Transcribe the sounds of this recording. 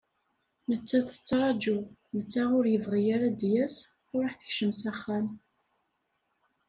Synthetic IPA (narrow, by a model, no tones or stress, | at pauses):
nət͡sːæθə̥t͡sːɾˤɑd͡ʒumət͡sːæʁʊɾjəvʁijaɾæd̪jæs | ʊɾˤəħθə̥çʃəmsæχːæm